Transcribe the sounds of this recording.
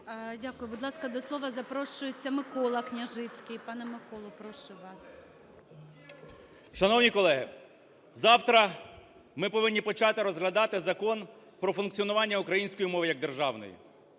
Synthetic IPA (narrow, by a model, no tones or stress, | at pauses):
dʲakʊjʊbʊd̪lˠɑskɐd̪ɔslˠɔʋɐzɐpɾɔʃʊjʊt͡sʲːɐmɪkɔlˠɐknʲɐʒɪt͡sʲkʲɪjpɑnɛmɪkɔlˠɐpɾɔʃʊʋɑs | ʃɐnɔwnʲikɔlˠɛɦɪ | zɑwt̪ɾɐ | mɪpɔʋɪnʲːipɔt͡ʃɑt̪ɪɾɔzɦlʲɐd̪ɑt̪ɪzɐkɔn | pɾɔfʊnkt͡sʲiɔnʊʋɑnʲːɐʊkɾɐjinʲsʲkɔjimɔʋɪjɐɡ̚d̪erʒɑwnɔ̰jḭ